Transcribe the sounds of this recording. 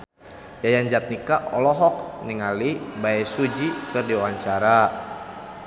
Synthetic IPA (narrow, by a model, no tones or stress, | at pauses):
jajand͡ʒat̪̚nikaʔɔlɔɦɔk̚niŋalibaɛsud͡ʒikɨrdiwawaɲt͡ʃaɾa